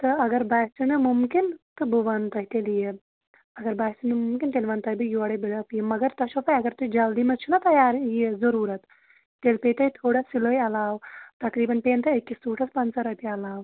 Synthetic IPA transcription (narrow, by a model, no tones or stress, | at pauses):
t̪ɨɐɡɐɾbaːjsinɨmumkint̪ɨbɨʋɐnt̪ɐɦit̪elije | ɐɡɐɾbaːjsinɨmʊmkint̪eːlʋɐnt̪ɐjbijoːɐɽɐbilɐpijemɐɡɐɾt̪ɐʃofɐjɐɡɐɾt̪ud͡ʒɐld̪iːmɐt͡ʃʰunɐt̪ɐjaːɾijezɐɾuːɾɐt̪ː | eːlpeːt̪ɐit̪ʰoːɽasiloːjɐlaːwt̪ɐkɾiːbɐnpeːnt̪ɐekːisuːʈʰɐspɐnsɐɾɐp̪iɐlaːw